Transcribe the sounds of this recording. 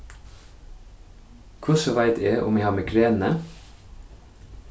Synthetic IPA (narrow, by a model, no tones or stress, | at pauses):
kʰʊsəʋæɪt̪ʰeːʔʊ̰mæɪhɑːɾmeːkʰɾeːnə